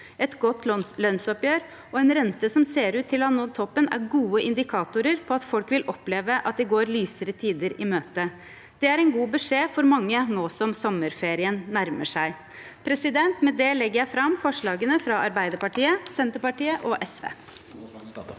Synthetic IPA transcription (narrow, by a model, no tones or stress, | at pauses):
ɛt̪ɡɔt̪ːlœnsɔpjøːɾ | ɔɛnɾɛnt̪əsɔmseːɾʉːt̪ʰːɪlɔɑnoːt̪ʰɔpːənæ̰ɾɡuːəʔɪnd̪ɪkʰɑːt̪ʊɾəɾpʰɔɑt̪fɔlkʋɪlʔɔpleːʋəʔɑt̪̚d̪ɛɡoːɾlyːsəɾət̪ʰiːd̪əɾɪmøːt̪ə | d̪̥ɛæɾɛɪnɡuːbəʂeːfɔɾmɑŋːənoːsɔmsɔmːəɾfeːɾɪənːæɾmə̰ʂæɪ | pʰɾɛsɪd̪ɛnt̪mɛd̪ɛlɛɡəɾjæɪfɾɑmfɔʂɭɑːɡənəfɾɑʔɑɾbæɪd̪əɾpɑʈiːəsɛnt̪əpɑʈiːəʔɔʔɛsʋḛː